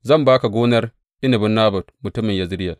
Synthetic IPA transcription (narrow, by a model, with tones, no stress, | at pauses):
zɐ˦mbaː˦ka˨ɡoː˦nɐ˦r | ʔɪ˦nɐ˨bʊ˦nːaː˦bɐ˨tmu˨tʊ˦mːi˨njɐ˨zɾɪ˦jɐ˨l